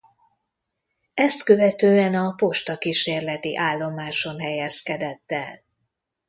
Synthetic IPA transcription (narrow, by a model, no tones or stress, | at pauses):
ɛst̪kø̞vɛt̪øːɛnɒpo̞ʃt̪ɒkiʃeːrlɛt̪ḭʔaːlːo̞maːʃo̞nɦɛjɛskɛd̪ɛt̪ːɛl